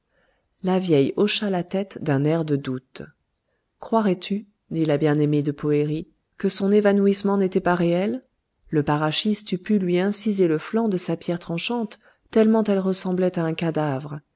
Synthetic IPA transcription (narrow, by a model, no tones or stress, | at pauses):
lavjɛjoʃalat̪ɛt̪d̪ɛ̃nɛʁd̪əd̪ut̪ | kχwaʁɛt̪ʰy | d̪ilabjɛ̃nemed̪əpʰɔeʁi | kəsɔ̃nevanuismɑ̃net̪ɛpaʁeɛlː | əpaʁaʃist̪ypylɥiɛ̃sizeləflɑ̃d̪əsapjɛʁt̪χɑ̃ʃɑ̃t̪ː | ɛlmɑ̃t̪ɛlʁəsɑ̃blɛt̪aɛ̃kad̪avʁ